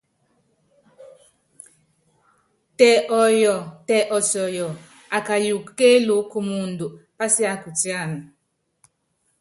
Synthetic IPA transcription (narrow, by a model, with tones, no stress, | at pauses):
tɛ˨ʔɔ˨jɔ˨tɛ˨ʔɔ˨sɔ˨jɔ˨ | a˨ka˨ju˨kːe˦lu˨˦ku˨mu˨ndu˨pa˦si˦a˦ku˨ti˦a˦˨ni˨